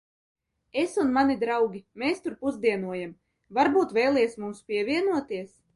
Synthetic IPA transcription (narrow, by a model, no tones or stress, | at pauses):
esunmanʲid̪ɾawɡʲimɛst̪uɾpuzd̪iɛnuɔjam | vaɾbuːt̪vʲɛjlˠɛːsmumspʲiɛvʲiɛnuɔt̪iɛs